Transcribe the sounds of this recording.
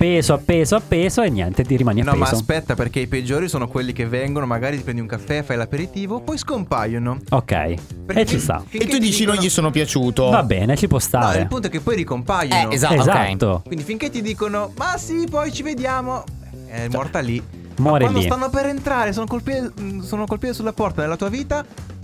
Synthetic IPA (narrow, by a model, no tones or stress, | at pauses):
peːzoapːeːzoapːeːzoenːjɛ̰nt̪et̪iɾimaːnianɔːmazosspɛt̪ːaperk̟eiped͡ʒːoːɾisoːnokwelːikevːɛŋɡonomaɡaːɾit̪ipɾɛnd̪uŋkafːɛfajlapeɾit̪iːvopːɔjskompajːonookːɛ̰jperket͡ʃːist̪a̰fiŋetkeud̪iːt͡ʃinõjjisoːnopjat͡ʃuːt̪ovabɛ̰ːnet͡ʃipwɔst̪a̰ɾeil̰punt̪oɛkːepːɔjɾikompajːonoezaezat̪ːokwind̪ifiŋket̪ːid̪iːkonomasipɔjt͡ʃived̪jaːmoɛ | ɛmːɔrt̪ali | mɔːɾiloist̪anːopeɾent̪ɾaːɾes̬oːnokolpiːt̪soːnokolpiːt̪esulːapɔrt̪anelːat̪uːaviːt̪a